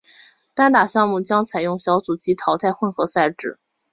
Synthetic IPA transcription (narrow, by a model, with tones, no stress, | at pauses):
t̪a˥nt̪a˨˩ɕjɑ˥˧ŋmu˥˩t͡ɕjɑ˥ŋt͡sʰa˨˩ɪjʊ˥˩ŋɕjɑ˧˥ʊt͡su˨˩t͡ɕi˧˥t̪ʰɑ˧˥ʊt̪ʰa˥˧ɪxwə˥˧nxɤ˧˥sa˥˧ɪʈ͡ʂɻ̩˥˩˦